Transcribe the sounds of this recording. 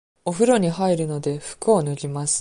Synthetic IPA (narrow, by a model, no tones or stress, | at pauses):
o̞ɸɯ̟ɾo̞ɲ̟ihaiɾɯ̟no̞d̪e̞ɸɯ̟̥kɯonoʑimasɨ̥